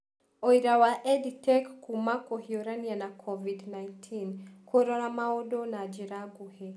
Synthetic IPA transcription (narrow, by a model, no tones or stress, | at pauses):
ɔiɾawaʔɛditʰɛkkːumakɔhiɔɾanianakʰɔvidnajntʰinkʰɔɾɔɾamaɔdɔnad͡ʒiɾaɡuhe